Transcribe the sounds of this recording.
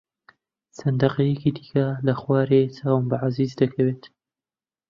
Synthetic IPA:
sɐnd̪ɐqejɛkid̪i̥kɐlɐxwaːɾet͡sʰaːwmbaʕaziːzd̪ɐkʰɐweːt̪

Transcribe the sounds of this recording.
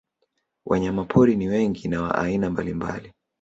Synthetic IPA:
wʔa̰ɲamapʰɔɾiniwɛŋɡinawa̰ʔa̰inambalimba̰li

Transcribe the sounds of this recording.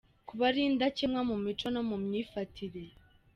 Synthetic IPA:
kuβaɾiːndacemŋamumit͡ʃo̞nomumɲiːfatʰiɾe

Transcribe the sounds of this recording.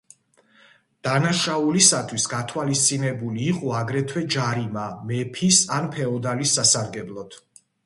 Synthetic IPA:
d̪̥anaʃaulisat̪ʰwisɡat̪ʰwalist̪sʼinɛbuliːqʼɔaɡɾɛt̪ʰwɛd͡ʒaɾimamɛpʰisanpʰɛɔd̪alisːasaɾɡɛblˠɔt̪ʰ

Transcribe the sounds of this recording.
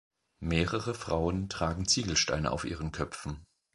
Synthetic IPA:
meːʁəʁəfʁ̥aʊəntʁ̥aːɡŋ̩t͡siːɡl̩ʃta̰ɪnə̰ʔa̰ʊfʔiːʁənkʰœpfn̩

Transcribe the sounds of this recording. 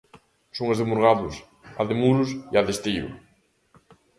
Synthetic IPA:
soŋezðɪmuɾɣaðʊs | aðɪmuɾʊsiaðest̪iʊ̰

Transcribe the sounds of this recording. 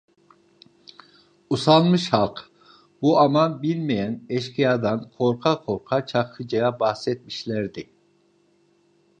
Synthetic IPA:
usɑlˠmɯʃhɑlˠq | buɑmɑnbilʲmɛjɛnɛʃkʰijɑd̪ɑnkʰoɾqʰɑqʰoɾqʰɑt͡ʃʰɑqkʰɯd͡ʒɑjɑbɑhsɛt̪̚miʃlæɾd̪ɪ

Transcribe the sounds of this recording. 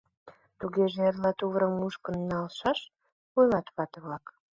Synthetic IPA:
t̪uɣeʒeerlɑt̪uβɾəmuʃkə̆nːɑlʃɑʃ | pojlɑt̪βɑt̪əβlɑk

